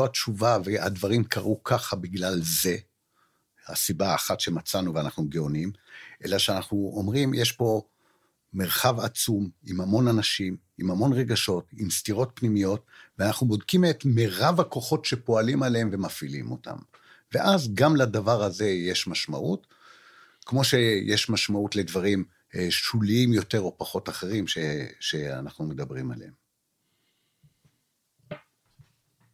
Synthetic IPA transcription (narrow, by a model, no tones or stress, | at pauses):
oatt͡ʃuvavea̰d̪vaʁimkʰaʁukʰaχabiɡlalze̞ | ha̰sibaːχatʃe̞mat͡sanuveanaχnuɡeonimʔe̞̰laʃeanaχnuo̞mʁimjʔeʃpo̞ | me̞ʁχavat͡sumimhamo̞nanaʃim | imamo̞nʁe̞ɡaʃo̞timstiʁo̞t̚pnimijo̞tveanaχnubo̞dkime̞tmeʁavhako̞χo̞tʃepo̞alimaleemve̞mafilimo̞̰ta̰m | ve̞ʔazɡamladavaʁaze̞je̞ʃmaʃma̰ʔut | kmo̞ʃe̞jʔeʃmaʃmautle̞dvaʁim | ʃuliimjo̞te̞ʁo̞paχo̞taχeʁimʃeʃea̰naχnumedabʁima̰lḛem